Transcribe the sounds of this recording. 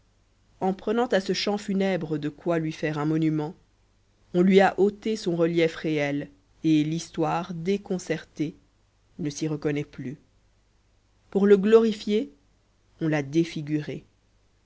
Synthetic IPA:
ɑ̃pχənɑ̃t̪asəʃɑ̃fynɛbʁəd̪əkwalɥifɛʁɛ̃mɔnymɑ̃ | ɔ̃lɥiaʔot̪esɔ̃ʁəljɛfʁeɛl | elist̪waʁd̪ekɔ̃sɛʁt̪e | nəsiʁəkɔnɛply | puʁləɡlɔʁifje | ɔ̃lad̪efiɡʲyʁe

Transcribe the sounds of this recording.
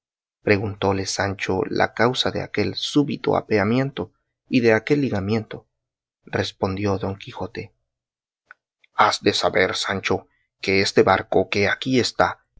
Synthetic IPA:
pɾe̞ɣunt̪o̞le̞sant͡ʃo̰la̰kawsaðe̞̰ake̞lsuβit̪o̞̰a̰peamje̞nt̪o̞ | iðe̞ake̞lːiɣamje̞nt̪o̞ | respo̞nd̪jo̞ðo̞ŋkixo̞t̪e̞ | azd̪e̞saβe̞ɾsant͡ʃo̞ | ke̞est̪e̞βaɾko̞ke̞akiest̪a

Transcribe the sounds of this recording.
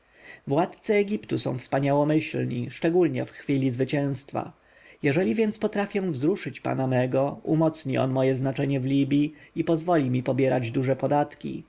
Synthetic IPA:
vwat̪t̪sɛːɡʲipt̪usɔ̰̃w̃fspaɲawɔmɘɕlɲḭʂt͡ʂɛɡulɲɛ̰fxfʲilʲizvɘt͡ɕɛ̃w̃st̪fa̰ | jɛʐɛlʲivʲjɛnt̪spɔt̪ɾafʲjɛ̃vzɾuʂɘt͡ɕpa̰namɛɡɔumɔt̪sɲiʔɔ̰nmɔjɛznat͡ʂɛɲɛvlʲibʲjiipɔzvɔlʲimʲipɔbʲjɛɾad͡ʑd̪uʐɛpɔd̪at̪kʲḭ

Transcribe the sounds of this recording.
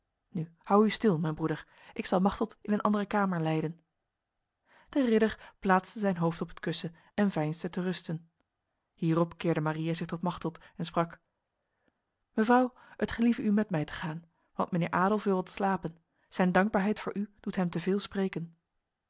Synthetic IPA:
nyhɑwystɪlˠmɛjnbʁudəɹ | ʔɪksɑlˠmɑχtəlˠtɪnənʔɑ̰ndərəkaːməɹlɛjdən | d̥ərɪdəɹplaːtstəzɛjnɦowftɔpətkɵsə | ɛnvɛjnstətərɵstən | hiːrɔpkɪːɹdəmarijazɪχtɔtmɑχtəlˠtɛnsprɑk | məvrɑw | ətχəlivəymɛtmɛjtə̥χaːn | ʋɑ̰ntmənɪ̰ːɹʔaːdəlˠfʋɪlˠʋɑtslaːpən | z̥ɛjndɑŋɡ̚baːɹɦɛjtfʊ̰ːɹʔyd̥utɦɛmtəvɪːlˠsprejkən

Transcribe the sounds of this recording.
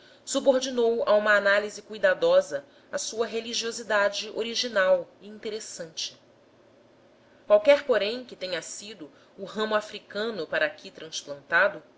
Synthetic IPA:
suboɾd͡ʒinowa̰ũmɐːnalizɪkujd̪ad̪ɔzɐ | asuɐɦeliʒiozid̪ad͡ʒɪʔoɾiʒinawiĩnt̪eɾesɐ̃nt͡ʃɪ̥ | kwawkɛɾpoɾẽj̃kɪt̪ẽɲɐsid̪ʊː | ɦɐ̃mʊafɾikɐ̃nʊpaɾɐːkʲʰit̪ɾɐ̃splɐ̃nt̪ad̪ʊ

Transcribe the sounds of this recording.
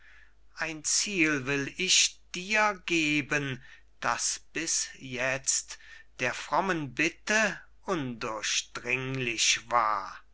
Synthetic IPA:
ʔaɪnt͡siːlvɪlɪçd̥iːɐɡeːbən | d̥asb̥ɪsjɛt͡std̥eːɐfʁ̥ɔmənbɪtə | ʔʊndʊɐʃd̥ʁɪŋlɪçv̥a̰ːɐ

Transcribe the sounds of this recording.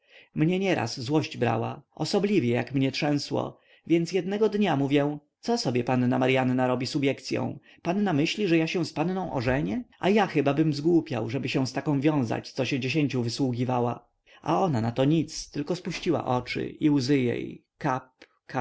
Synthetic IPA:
mɲɛɲɛɾa̰szwɔɕd͡ʑbɾa̰wa̰ʔɔsɔblʲivʲjɛja̰kmɲɛtʂɛ̃w̃swɔ̰ | vʲjɛnt̪sjɛd̪nɛɡɔd̪ɲamuvʲjɛ̃t̪sɔsɔbʲjɛpanːamaɾjanːaɾɔbʲisubʲjɛkt̪sʲjɔ̰̃w̃ | panːamɘɕlʲiʐɛjaɕɛ̃spanːɔ̃w̃ʔɔʐɛɲɛʔa̰jaxɘbabɘmzɡwupʲja̰wʐɛbɘɕɛw̃st̪akɔ̃w̃vʲjɔ̃w̃za̰t͡ɕt̪sɔɕɛ̃d͡ʑeɕeɲt͡ɕuvɘswuɡʲivawa | ʔa̰ɔnanat̪ɔɲit̪st̪ɘlkɔspuɕt͡ɕiwa̰ʔɔt͡ʂɘ̰iuwzɘjḛj | kap | ka

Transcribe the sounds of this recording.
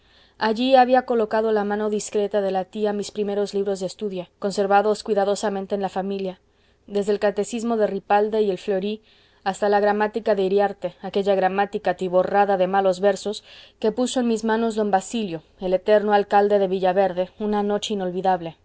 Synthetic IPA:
aʝiaβiako̞lo̞kaðo̞lamãno̞ðiskɾe̞t̪aðe̞lat̪iamispɾime̞ɾozliβɾo̞zðest̪uðjako̞nse̞ɾβaðo̞skwiðaðo̞samẽnt̪eːnlafamilja | ðe̞zðeːlkat̪e̞sizmo̞ðeripald̪eie̞lflo̞ɾi | ast̪alaɣɾamat̪ikaðe̞iɾjaɾt̪e̞ake̞ʝaɣɾamat̪ikat̪iβoraðaðe̞malo̞zβe̞ɾso̞ske̞puso̞enmizmãno̞zðo̞mbasiljo̞ | e̞le̞t̪eɾno̞alkald̪e̞ðe̞βiʝaβe̞ɾðe̞unano̞t͡ʃeino̞lβiðaβle̞

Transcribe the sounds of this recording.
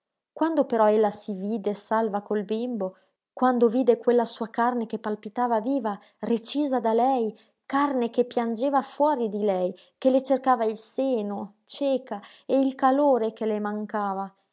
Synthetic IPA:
kwand̪opeɾɔelːasiviːd̪esalvakolbimbo | kwand̪oviːd̪ekwelːasuːakarnekepːalpit̪aːvaviːva | ret͡ʃiːzad̪alɛj | karnekepjand͡ʒeːvafwɔːɾid̪ilɛj | kelet͡ʃerkaːvailseːno | t͡ʃeːka | eilkaloːɾekelemaŋkaːva

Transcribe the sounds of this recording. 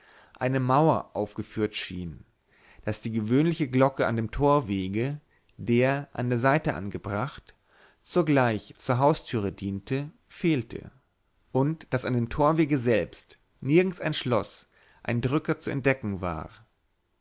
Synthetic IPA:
ʔaɪnəmaʊɐ̰ʔaʊfɡ̥əfyːɐtʃḭːn | d̥asd̥iːɡəvøːnlɪçəɡlɔkəa̰ndeːmtʰoːɐveːɡə | deːɐʔa̰ndeːɐzaɪtəʔa̰nɡəbʁaχt | t͡suːɡlaɪçt͡suːɐɦaʊstʰyːʁədiːntə | feːltʰə̰ | ʔʊntd̥asandeːmtʰoːɐveːɡəzɛlpst | nɪɐɡŋ̩saɪnʃlɔs | ʔa̰ɪndʁʏkɐt͡suɛ̰nt̚d̥ɛkŋ̩va̰ː

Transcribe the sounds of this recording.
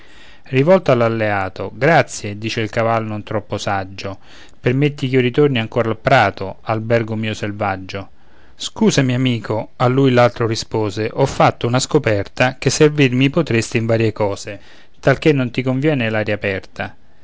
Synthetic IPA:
rivɔlt̪oalːalːeaːt̪oɡɾat̪sːjed̪iːt͡ʃeilkavalnʊnt̪ɾɔpːosad͡ʒːo | permet̪ːik̟iorit̪orniaŋkoːɾalpɾaːt̪oalbɛrɡomiːoselvad͡ʒːo | skuːsamiamiːkʰoalːujlalt̪ɾorispoːzeʔɔfːat̪ːounaskopɛrt̪akesːervirmipot̪ɾest̪iɱvaːɾjekɔːze | t̪alkenːont̪ikoɱvjɛːnelaːɾjapɛrt̪ʰa

